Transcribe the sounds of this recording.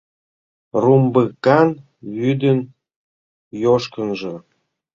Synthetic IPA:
rumbəkɑn | βyd̪ən | joʃkənʒə̆

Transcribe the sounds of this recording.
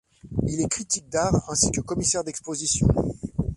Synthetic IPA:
ilɛkχit̪ik̚d̪aʁɛ̃sikəkɔmisɛʁd̪ɛkspozisjɔ̰̃

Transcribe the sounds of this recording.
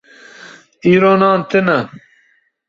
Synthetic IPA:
iːɾoːnɑːnt̪ɪnɐ

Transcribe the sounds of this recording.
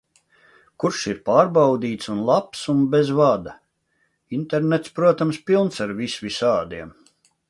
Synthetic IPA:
kuɾʃiɾpaːɾbawd̪iːt̪sunlˠapsunbezvad̪a | int̪ɛɾnɛt̪spɾuɔt̪amspilˠnsaɾvisvisaːd̪iɛm

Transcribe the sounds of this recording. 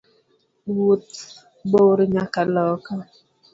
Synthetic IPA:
wut | boɾɲakalɔka

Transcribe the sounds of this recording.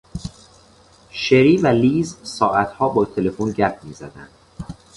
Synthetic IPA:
ʃeɾiːvæliːzsɒːʔæt̪ʰhɒːbɒːt̪ʰele̞fonɟæɾpmiːzæd̪æ̰nd̪̥

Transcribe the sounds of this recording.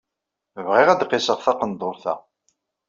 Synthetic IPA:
əvʁɪʁæd̪qːɪsəʁθɑqənd̪ˤoɾθæ̰

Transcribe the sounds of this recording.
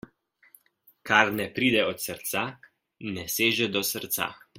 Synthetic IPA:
kaɾnɛpɾiːd̪ɛɔt̪səɾt̪sa | nɛseːʒɛd̪ɔsəɾt̪sa̰

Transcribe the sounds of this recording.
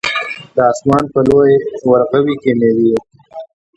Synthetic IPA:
d̪əɑːsmɑːnpəlojewɐɾqəwikemewie

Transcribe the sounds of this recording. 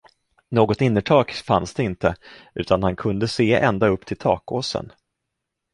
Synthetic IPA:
noːɡɔt̪ɪnːəʈʰɑːkfansd̪ɛɪnt̪əʔʉ̟ːt̪anhankʰɵnd̪əseːʔɛnd̪aɵpːt̪ʰɪlt̪ʰɑ̰ːkoːsə̰n

